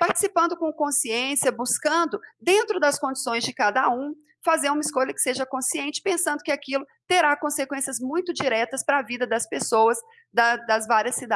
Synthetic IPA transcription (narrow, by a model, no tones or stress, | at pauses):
paɾt͡ʃɪ̥sipɐ̃nd̪ʊkõkõsiẽsiɐbuskɐ̃nd̪ʊd̪ẽnt̪ɾʊd̪ɐskõd͡ʒisõj̃zd͡ʒɪkad̪ɐũ | fazeɾũmɐiskojʎɐkɪ̥seʒɐkõsiẽnt͡ʃɪ̥pẽsɐ̃nd̪ʊkɪakilʊt̪eɾakõsekwẽsiɐzmũj̃t̪ʊd͡ʒiɾɛt̪ɐspɾɐavid̪ɐd̪ɐspesowɐs | d̪ɐd̪ɐzvaɾiɐsːid̪a